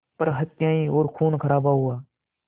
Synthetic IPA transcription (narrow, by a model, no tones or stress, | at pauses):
pəɾɦət̪ɪjãːĩːoːɾkʰuːnkʰəɾaːbaːɦʊaː